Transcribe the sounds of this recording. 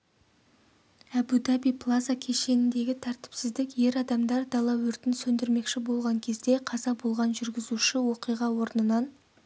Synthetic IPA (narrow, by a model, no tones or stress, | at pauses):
æbud̪ɑbijpʰlˠazakʲʰe̞ʃe̞nɪnd̪e̞ɡʲɪt̪ʰæɾt̪ɪ̥psɪzd̪ɪkje̞ɾɑd̪ɑmd̪ɑɾd̪ɑlˠɑwɵɾt̪ɪnsɵnd̪ɪɾme̞kʃɪbo̞lˠʁɑŋkʲʰe̞zd̪e̞qʰɑzɑbo̞lˠʁɑnʒʏɾɡʲɪzuʃɪwo̞qijʁɑwo̞ɾnənɑn